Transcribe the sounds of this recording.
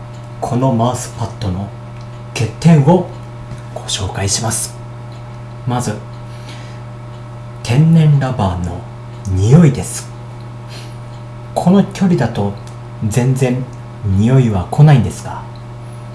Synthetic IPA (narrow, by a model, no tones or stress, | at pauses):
kʰo̞no̞maːsɨ̥pat̪ːo̞no̞ | ke̞t̪ːẽ̞ɰ̃o̞ | ɡ̥o̞ɕo̞ːkaiɕimasɨ̥ | mazɨ | t̪ʰẽ̞nːẽ̞nɾabaːno̞̰ | ɲ̟ijo̞id̪e̞sɨ̥ | kʰo̞no̞kʲo̞ɾʲid̪at̪o̞ | zẽ̞nd͡zẽ̞n | ɲijo̞iβakʰo̞naĩnd̪e̞sɨ̥ka